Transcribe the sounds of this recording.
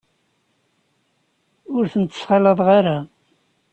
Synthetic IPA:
ʊɾθənt̪ːə̥sχɑləðˤʁaɾa

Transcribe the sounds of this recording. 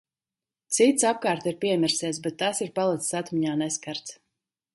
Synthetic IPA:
t̪sit̪sap̚kaːɾt̪iɾpʲiɛmʲiɾsiɛs̬bɛt̪ːasiɾpalˠɛt̪ssat̪miɲaːnɛskaɾt̪s

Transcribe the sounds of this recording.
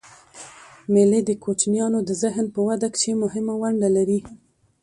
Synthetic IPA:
meled̪əkot͡ʃnjɑnod̪əzɪɦnpəwad̪akʃemʊɦɪmawaɳɖalaɾi

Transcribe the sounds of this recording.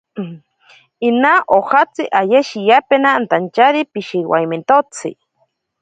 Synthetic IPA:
inaʔoxat͡siʔajeʃijapenant̪ant͡ʃaɾipiʃiwa̰jment̪ot͡sʰḭ

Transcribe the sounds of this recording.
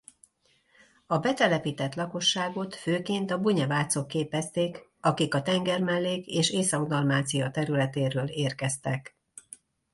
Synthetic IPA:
ɒbɛt̪ɛlɛpiːt̪ɛt̪lɒko̞ʃːaːɡo̞t̪føːkeːnt̪ɒbuɲɛvaːt̪so̞kːeːpɛst̪eːkɒkikɒt̪ɛŋɡɛrmɛlːeːkeːʃeːsɒɡd̪ɒlmaːt̪sijɒt̪ɛɾylɛt̪eːɾøːleːrkɛst̪ɛk

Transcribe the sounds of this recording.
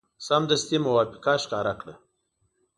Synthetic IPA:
samd̪əst̪imʊwapi̥kaʃkɑːɾakɽə

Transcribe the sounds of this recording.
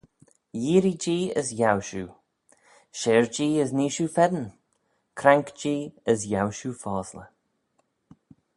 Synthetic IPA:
jiːɾid͡ʒiːə̰sjawʃuː | ʃeːɹd͡ʒiːəzniːʃuːfɛd̪ən | kʰɾaŋkd͡ʒiːəzjawʃuːfɑːslə

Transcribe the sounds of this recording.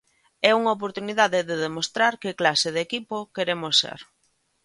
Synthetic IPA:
ɛuŋaop̬oɾt̪uniðaðɪðeðemost̪ɾaɾkɪklasɪð̞ekipokeɾemosːḛɾ

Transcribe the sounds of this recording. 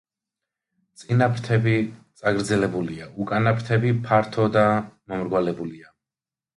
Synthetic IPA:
t̪sʼinapʰɾt̪ʰɛbit̪sʼaɡɾd̪zɛlɛbuliaukʼanapʰɾt̪ʰɛbipʰaɾt̪ʰɔd̪amɔmɾɡwalɛbulia

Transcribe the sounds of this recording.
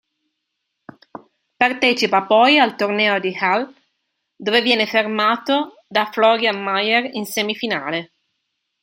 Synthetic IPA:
part̪ɛːt͡ʃipapɔjalt̪ornɛːod̪ihal | d̪ovevjɛːnefermaːt̪o | d̪aflɔɾjamajerinsɛmifina̰ːle

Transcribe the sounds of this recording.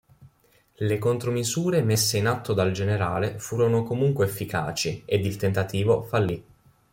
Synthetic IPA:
lekont̪ɾomizuːɾemesːeinat̪ːod̪ald͡ʒeneɾaːlefuːɾonokomuŋkweːfːika̰ːt͡ʃied̪ilt̪ent̪at̪iːvofalːi

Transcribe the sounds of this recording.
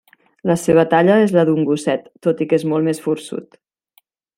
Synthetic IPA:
ləseβ̞ət̪aʎəezləðuŋɡusɛt̪ːot̪ikezmolˠmesfuɾsṵt̪

